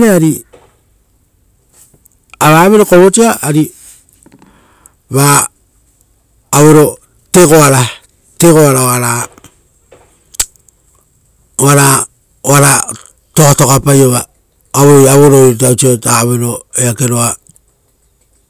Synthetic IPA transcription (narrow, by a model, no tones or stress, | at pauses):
ɾeaɾi | aɾaːβe̞ɾo̞koβot͡ʃiaaɾi | βa | βe̞ɾo̞ | te̞ko̞aɾa | te̞ko̞aɾaoaɾa | oaɾa | oaɾa | to̞kato̞kapajoβaː | βojaβoɾoiɾtaut͡ʃiotaβe̞ɾo̞eake̞ɾo̞a